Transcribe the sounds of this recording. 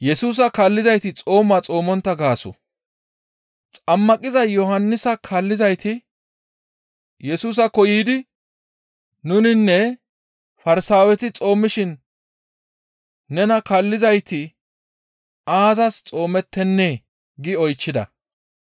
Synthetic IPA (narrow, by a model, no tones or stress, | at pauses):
jɛsuːs̬ɐkɐlːɪzɐjt̪ɪt͡sʼo̞ːmːɐt͡sʼo̞ːmɔnt̪ːɐɡaːsɔ̰ | t͡sʼɐmːɐkʼɪzɐjɔɦɐnːɪsɐkʰɐlːɪzɐjt̪ɪ | jɛsuːs̬ɐkɔjiːd̪ɪ | ʊnɪnːɛ | fɐɾɪsaːwɛt̪ɪt͡sʼo̞ːmːɪʃɪn | nɛnɐkalːɪzɐjt̪ɪ | aːzɐst͡sʼo̞ːmɛt̪ːɛnːe̞ː | ɡɪɔjt͡ʃːɪd̪ɐ̰